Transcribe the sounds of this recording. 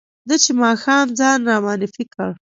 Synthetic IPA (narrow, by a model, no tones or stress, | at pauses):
d̪ət͡ʃemɑxɑmd͡zɑnɾɑmɑːnɪfikəɽ